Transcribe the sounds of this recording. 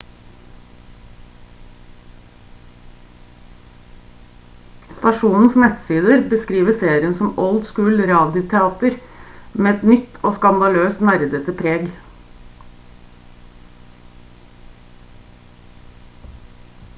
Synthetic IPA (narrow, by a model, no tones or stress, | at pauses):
st̪ɑʃuːnn̩snɛt̪siːd̪əɾbəskɾiːʋəseːɾɪənsɔmɔld̪skʉːlɾɑːd̪ɪʊt̪ʰɛɑːt̪əɾ | meːɛt̪nʏt̪oːskɑnd̪ɑløːsnæɾd̪ət̪əpʰɾeːɡ